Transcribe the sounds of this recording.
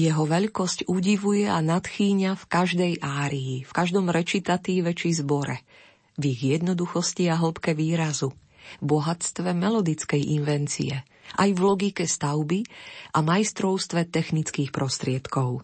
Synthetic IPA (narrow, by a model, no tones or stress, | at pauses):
jɛɦɔʋɛʎkɔscuɟiʋujɛanat̪xiːɲafkaʒd̪ɛjʔaːɾiːfkaʒd̪ɔmɾɛt͡ʃit̪at̪iːʋɛt͡ʃizbɔɾɛ | viɣjɛd̪nɔd̪uxɔsciaɦl̩pkɛʋiːɾazu | bɔɦat͡st̪ʋɛmɛlɔd̪it͡skɛjʔinʋɛnt͡sḭɛ | ʔajvlɔɡikɛst̪aʊbiʔamajst̪ɾɔʊst̪ʋɛt̪ɛxnit͡skiːxpɾɔst̪ɾɪɛt̪kɔʊ